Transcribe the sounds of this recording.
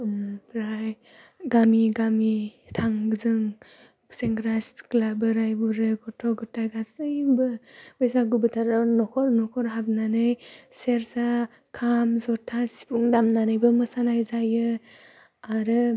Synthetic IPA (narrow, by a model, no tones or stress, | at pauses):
mɾaj | ɡamiɡamitʰaŋɡɯzɯŋ | seŋɡɾasklabɯɾajbuɾɯɡɔtʰɔɡɯtʰːajɡasɯjbɯbɯjsaɡubɯtʰaɾanɔkʰɔɾnɔkʰɔɾɦabnanɯjseɾsa | kʰamzɔtʰasi̥puŋdamnanɯjbɯmɯsanajzajɯ | aɾɯ